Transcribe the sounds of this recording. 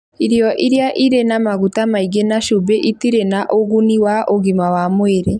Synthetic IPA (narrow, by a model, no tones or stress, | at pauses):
iɾjɔʔiɾjaʔiɾenamaɣutamaiɡenaʃubeʔitiɾenaʔoɣuniwaʔoɣimawamweɾe